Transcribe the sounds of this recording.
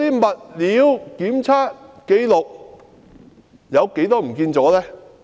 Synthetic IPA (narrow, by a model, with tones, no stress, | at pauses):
iː˥mɐ˨t̚liː˨˥wkiː˨˥mt͡sʰaː˥t̚ke˨˧jlʊ˨k̚ | jɐ˨˧wke˨˥jt̪ɔː˥m̩˨˩kiː˧nt͡sɔː˨˥lɛː˥